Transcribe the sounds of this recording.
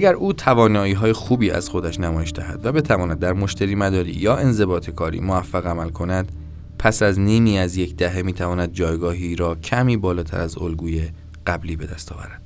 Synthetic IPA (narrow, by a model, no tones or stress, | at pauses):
æɟæɾʔuːt̪ʰævɒːnɒːiːɦɒːje̞xuːbiːæ̰z̥xo̞d̪æʃnæmɒːjeʃd̪æɦæ̰d̪væbe̞t̪ʰævɒːnæd̪̚ːæɾmo̞ʃt̪ʰæɾiːmæd̪ɒːɾḭːjɒːe̞nze̞bɒːt̪ʰe̞kʰɒːɾḭːmoæfːæɣæmælkʰo̞næd̪̥ | pʰæsæzniːmiːæzjecʰd̪æɦe̞miːt̪ʰævɒːnæd̪̚d͡ʒɒːjɡɒːɦiːɾɒːcʰæmiːbɒːlɒːt̪ʰæ̰ɾæzolɡuːje | ɢ̥æbliːbe̞d̪æst̪ʰɒːvæ̰ɾæd̪̥